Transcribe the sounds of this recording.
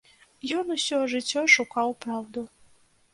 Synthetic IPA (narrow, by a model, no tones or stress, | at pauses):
jɔnusʲɔʐɨt͡sʲːɔʂukɑwpɾawd̪u